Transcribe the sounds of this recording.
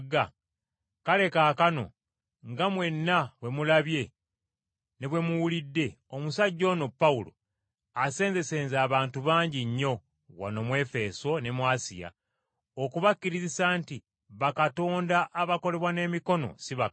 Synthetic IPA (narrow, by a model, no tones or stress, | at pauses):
ɡa | kale̞kaːkano̞̰ | ŋɡamwe̞nːaβwe̞mulaβje̞ | neβwe̞muwulidːe̞ | omusaɟːo̞ːno̞pːaulo̞̰ | ase̞ːnze̞se̞ːnzaːβaːntuβaːɲɟiɲːo̞ | wa̰no̞mwe̞ːfe̞so̞ne̞mwaːsḭja̰ | okuβakːiɾizisaːnti | βakato̞ːndaʔːβako̞le̞βwane̞ːmiko̞no̞̰siβa